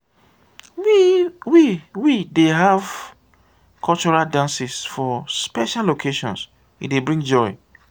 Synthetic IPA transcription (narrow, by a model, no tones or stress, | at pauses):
wiwideɦav | kʰɔlt͡ʃɔɹaldãnsisfɔspɛʃalːokʰeʃɔ̰̃ns | ḭdebɹĩŋd͡ʒɔɪ